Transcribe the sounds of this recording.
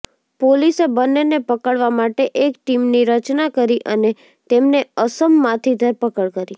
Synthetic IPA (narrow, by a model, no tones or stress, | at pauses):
polisebənːenepəkəɭʋamaʈeʔekʈimniɾət͡ʃnakəɾiʔəne | t̪emneəsəmːãt̪ʰid̪ʱəɾpəkəɭkəɾi